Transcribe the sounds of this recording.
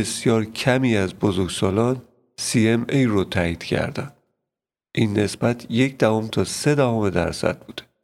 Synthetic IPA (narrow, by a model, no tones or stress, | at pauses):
e̞sjɒːɾcʰæmiːæzbozoɾɡsɒːlɒːn | siemejrot̪ʰæːiːd̪̥cʰæ̰ɾd̪æn | ʔiːnːe̞sbæt̪ʰje̞cd̪ævomt̪ʰɒːse̞d̪æɦɒme̞d̪æ̰ɾsæ̰d̪̥̚buːd̪̥e̥